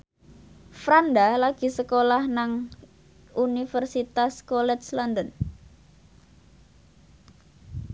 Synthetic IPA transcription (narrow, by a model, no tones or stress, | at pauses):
fɾandalaɡ̥i̤səkolahnaŋ | unifərsit̪askolɛt̪slɔndən